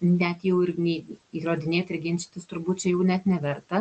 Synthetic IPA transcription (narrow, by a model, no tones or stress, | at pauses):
nʲɛt̪jɛʊɪɾnʲɛiɾoːd̪ʲɪnʲeːt̪ɪɾʲɡʲɪnʲt͡ʃʲɪ̥t̪ɐst̪ʊɾbut̪̚ʲt͡ʃʲɛjɛʊnʲɛt̪nʲɛʋʲɛɾt̪ɐ